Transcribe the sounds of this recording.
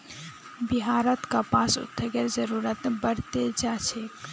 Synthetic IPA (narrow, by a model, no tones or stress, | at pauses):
bɪɦaːɾət̪kapaːsʊ̰t̪ʰːeɡəɾzəɾuːɾət̪bəɽt̪ed͡ʒat͡ʃʰe